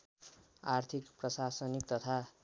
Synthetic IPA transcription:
art̪ʰikprʌsasʌnik̚t̪ʌt̪ʰa

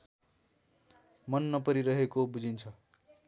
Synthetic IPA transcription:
mʌnːʌpʌɾiɾʌɦekobud͡zʱint͡sʰʌ

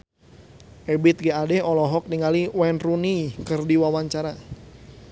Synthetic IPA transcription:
ʔɛbɪt̪̚ɡɛadɛɔlɔɦɔk̚niŋaliwɛnrunikɨrdiwawaɲt͡ʃaɾa

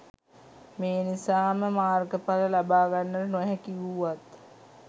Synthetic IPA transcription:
meːnisaːməmaːrɡəpaləlabaːɡanːəɾənoɦɛkiʋuʋat̪

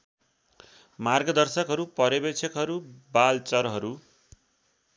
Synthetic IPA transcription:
marɡʌd̪ʌrsʌkɦʌɾupʌɾʌbet͡sʰʌkɦʌɾubalt͡sʌrɦʌɾu

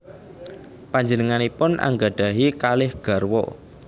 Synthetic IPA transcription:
paɲd͡ʒənəŋanipʊnʔa̰ŋɡaɖ̥a̤ɦikalɪhɡ̥a̤rwɔ̰

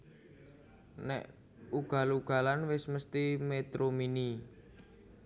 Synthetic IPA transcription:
nɛ̰ʔ | uɡ̥a̤luɡ̥a̤lanwɪsməst̪imet̪ɾomini

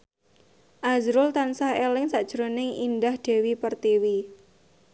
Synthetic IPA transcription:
ʔazɾʊlt̪ansahelɪŋsaʔd̥ʒ̥ɾonɪŋindahd̪̥e̤wipərt̪iwi

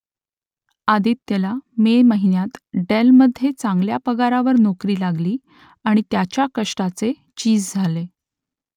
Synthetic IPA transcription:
ad̪iːt̪ːelameməɦinjat̪ɖelməd̪ʱːjet͡saŋɡljapəɡaɾaʋəɾnokɾiːlaɡliː | aɽ̃it̪jat͡ɕjakəʂʈat͡se | t͡ɕiːd͡zd͡zʱale

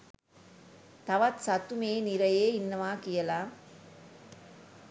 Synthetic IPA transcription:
t̪ɐʋɐt̪sɐt̪ːumeːniɾɐjeːɪnːɐmaːkɪjɐlaː

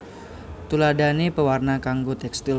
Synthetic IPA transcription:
t̪uladanipəwarnakaŋɡot̪ɛkst̪i

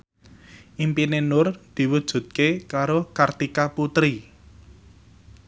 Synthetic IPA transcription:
ʔimpinenʊrd̪̥i̤wud̥ʒ̥ṳt̪̚kekaɾokart̪ikaput̪ɾi

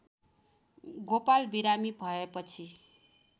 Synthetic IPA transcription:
ɡopalbiɾamibʱʌepʌt͡sʰi

